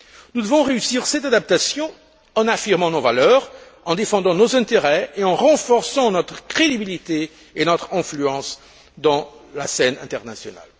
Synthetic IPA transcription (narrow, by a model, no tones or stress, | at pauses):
nud̪əvɔ̃ʁeysiʁsɛt̪ad̪ap̚t̪asjɔ̃ | ɑ̃nafiʁmɑ̃novalœʁ | ɑ̃d̪efɑ̃d̪ɑ̃nozɛ̃t̪eʁɛeɑ̃ʁɑ̃fɔʁsɑ̃nɔt̪χə̥kχed̪ibilit̪e | enɔt̪χɛ̃flyɑ̃s | d̪ɑ̃la̰sɛnɛ̰̃t̪ɛʁnasjɔna̰l